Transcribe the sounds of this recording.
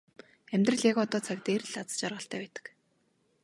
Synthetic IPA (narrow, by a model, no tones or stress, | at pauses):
æmʲt̪rə̆ɮjaɣɔt̪ɔːt͡sʰakt̪eːrɮat͡sə̥t͡ɕarʁə̆ɬt̪ʰæːpæːt̪ə̥̆k